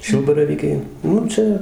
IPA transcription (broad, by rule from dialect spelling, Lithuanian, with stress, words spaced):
ˈʃʲɪlˠbɐrɐʋʲiːkʲɛɪ ˈnʊ ˈt͡ʃʲɛ